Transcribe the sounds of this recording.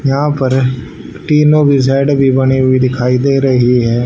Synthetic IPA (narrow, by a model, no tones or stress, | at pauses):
jɐɦãːpəɾ | ʈiːnoːbɪz̬aːɪɖbʱiːbəniɦʊiːd̪ɪkʰaːid̪eːɾəɦiɦɛː